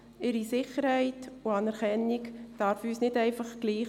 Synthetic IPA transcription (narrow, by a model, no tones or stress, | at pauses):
ɪɾisɪχəɾhɛɪtʊɑnɛɾkɛnikd̥ɑɾfyːsnɪtɛɪfɑχɡ̥liː